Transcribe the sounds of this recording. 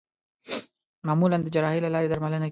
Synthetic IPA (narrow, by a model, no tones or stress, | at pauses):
mɑmuland̪əd͡ʒaɾɑɦilalɑɾed̪aɾmaləna